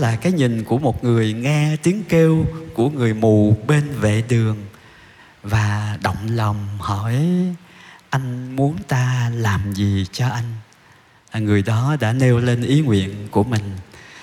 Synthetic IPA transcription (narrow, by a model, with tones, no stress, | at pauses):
laː˨˩kaː˨˦jɲï˨˩ŋ̟ku˧˩əmo˨˩t̚ŋɨ˨˩əjŋɛ˧t̪i˨˦əŋke˧wku˧˩əŋɨ˨˩əjmu˨˩ɓe˧nvḛ˧˨ɗɨ˨˩əŋ | vaː˨˩ɗə̰˧˨wŋ͡mlə˨˩wŋ͡mhɔ˧˩˨j | ʔa˧jŋ̟mu˨˦ənt̪aː˧laː˨˩mzi˨˩t͡ɕɔ˧ʔa˧jŋ̟ | laː˨˩ŋɨ˨˩əjɗɔ˨˦ɗa̰ː˧˥ne˧wle˧nʔi˨˦ŋwḭ˧˨ənku˧˩əmï˨˩ŋ̟